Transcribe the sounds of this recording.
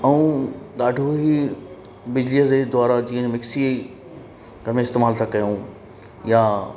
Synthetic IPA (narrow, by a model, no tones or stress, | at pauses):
ɐũɗ̪aːɖʱoɦi | bɪd͡ʑliəd͡ʑed̪ʊwaːɾad͡ʑiːə̃ɲmɪksi | ɡʱɐɾmẽɪst̪eːmaːlt̪ʰakɐjõ | ja